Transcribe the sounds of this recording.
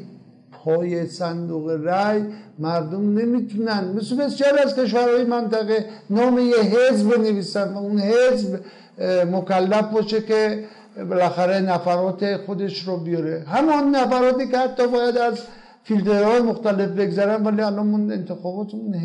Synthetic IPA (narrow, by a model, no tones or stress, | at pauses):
pʰɒːje̞sænd̪uːɣeɾæjmæɾd̪omne̞miːt̪ʰunænd̪mesebe̞sjɒːɾiæzke̞ʃ̬væɾhɒːjemænt̪æɣenɒːmejeɦezbe̞neviːsænd̪væunhezb | mokælːæfbɒːʃeke | belæxæɾe̞næfæɾɒːt̪ʰexo̞d̪e̞ʃɾɔːbijɒɾeɦæmɒnːæfæɾɒːt̪iːkehæt̪ːɒːbɒːjæd̪æz | filt̪ʰe̞ɾhɒːjemoxt̪æle̞fbe̞ɡzæɾænd̪væliːælɒnune̞̰nt̪ʰexɒːbɒːt̪ʰun